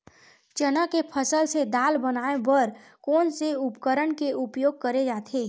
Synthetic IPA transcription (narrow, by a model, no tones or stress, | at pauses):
t͡ʃənakepʰəsəlsed̪aːlbənaːebəɾ | kɔːnseʊpkəɾəɳkeʊpjoːɡ̚kəɾed͡ʒaːt̪ʰeː